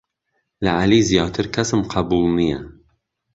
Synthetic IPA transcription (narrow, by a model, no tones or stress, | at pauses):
lɐʔaliːzjɑːt̪ʰɨɾkʰɐsɨmqʰɑɐbuːlˠnijɐ